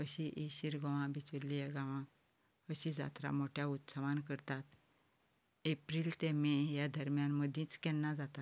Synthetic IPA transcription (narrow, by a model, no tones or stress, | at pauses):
əɕiʔeɕiɾɡɔʋãbʱit͡sulːijaɡãʋã | əɕĩd͡za̰t̪ɾa̰moʈʰjaut̪səʋankəɾt̪at̪ | epɾiːlt̪ɛmɛjad̪ʱəɾmjanməd̪ʱĩːt͡skɛnːad͡zat̪a